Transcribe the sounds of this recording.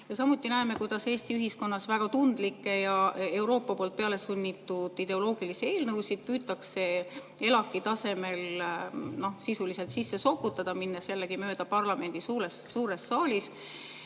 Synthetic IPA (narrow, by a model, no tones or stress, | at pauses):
jɑsɑmut̪ːˑinæeme̞kujd̪̥ɑse̞ːst̪iyɦisko̞nːɑsvæɡ̥ɑt̪und̪̥likːe̞jɑe̞wɾo̞ːpːˑɑpoːlt̪̚pe̞ɑle̞sunʲːit̪ːud̪̥id̪̥e̞o̞lo̞ːɡ̥ilisie̞ːlnɤwsid̪̥̚pyːt̪ːˑɑkse̞ | e̞lɑkːˑit̪ɑse̞me̞l | no̞hsisulise̞lt̪sisːe̞so̞kːut̪ːˑɑd̪̥ɑminːɑselːeɡ̥imø̞ːd̪̥ɑpɑrlɑme̞nʲd̪̥isuːɾesːuːɾe̞sːɑːlʲis